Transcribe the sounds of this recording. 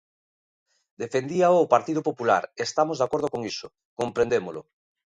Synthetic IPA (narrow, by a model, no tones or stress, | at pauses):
d̪efend̪iaoːpaɾt̪iðopopula̰ɾest̪amozðakoɾð̞okoŋiso | kompɾẽnd̪emolʊ̰